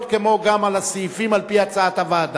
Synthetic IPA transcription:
t̪̚kemo̞ɡamalasifimalpihat͡saat̪avad̪

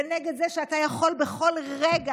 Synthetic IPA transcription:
neɡed̪zeʃeatajaχo̞lbeχo̞lʁeɡa

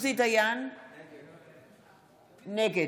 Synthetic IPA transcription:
sit̪ɐjaːn | neke

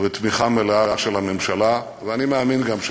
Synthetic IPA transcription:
vet̪miχameleaaʃelhamemʃala | veanimeaminɡamʃ

